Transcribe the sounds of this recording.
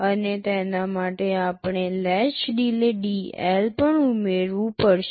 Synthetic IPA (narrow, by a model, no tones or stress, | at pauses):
ənet̪enamaʈeapɳ̃elɛt͡ʃɖileɖiɛ̰lpəɳumeɾʋũpəɾʃ